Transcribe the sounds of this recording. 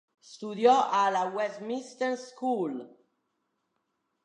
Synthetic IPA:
st̪uðjɔʔalawɛsminst̪ənskul

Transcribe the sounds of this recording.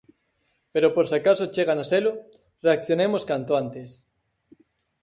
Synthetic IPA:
peɾopoɾsakasot͡ʃeɣ̞anaselʊ | reakθjonemoskant̪oant̪es

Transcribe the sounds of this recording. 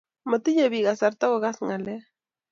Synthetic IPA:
mət̪ijeβiɣasaɾt̪awəɣasŋale

